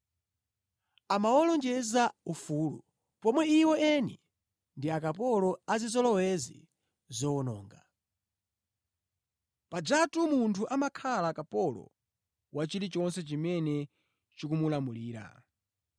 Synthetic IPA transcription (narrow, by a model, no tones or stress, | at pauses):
amawɔlɔnd͡ʒɛzaufuːlṵ | pɔmwɛiwɔɛnḭ | ndiakapɔlɔazizɔlɔwɛzḭ | zɔwɔnɔ̰ːŋɡa | pad͡ʒatumuntʰuʔamakʰalakapɔlɔ̰ | wat͡ʃiɾit͡ʃɔnsɛt͡ʃimɛnɛ | t͡ʃikumulamuliːɾa̰